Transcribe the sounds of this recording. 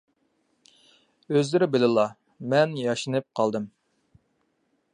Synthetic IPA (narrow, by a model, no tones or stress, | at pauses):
øzlɪɾɪbɪlɨlˠɑ | mɛnjɑʃɨnɨp̚qʰɑlˠd̪ɨm